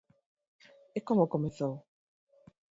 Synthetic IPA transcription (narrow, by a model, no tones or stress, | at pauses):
ekɔmɔkɔmeθɔ